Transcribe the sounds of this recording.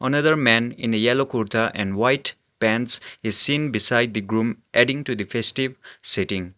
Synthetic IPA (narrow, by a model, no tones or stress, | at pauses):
ʔənʌd̪əɾmɛ̃nḭ̃nejɛlokɔɾtʰaʔɛ̃nwajt | pɛ̃nsizsĩnbisajd̚d̪iɡɾũmʔɛɖĩŋtud̪ifʰestivsitĩŋ